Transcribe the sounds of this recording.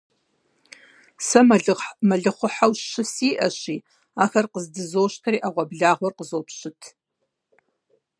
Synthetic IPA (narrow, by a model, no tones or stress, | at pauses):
sɐɮmɐɮɨχʷʊħawʃɨsiːʔɐɕiː | aːxɐrqəzdɨzoːʃtʰɐɾiːʔaʁʷɐbɮaːʁʷɔrqəzoːpɕɪtʰ